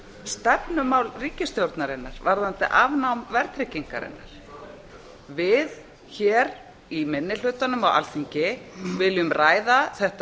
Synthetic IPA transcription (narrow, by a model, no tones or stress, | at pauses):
st̪ɛpnʏmawlriːcɪst̪jowɾt̪naɾɪnːaɾ̥vaɾðant̪ɪʔavnawmvɛɾt̪ʰɾɪciŋka̰ɾɪ̰nːa̰ɾ̥ | vɪð | çɛːɾ | imɪnːɪlʏːt̪anʏmawʔa̰lθiɲcɪvɪlʏmraːjðaθɛht̪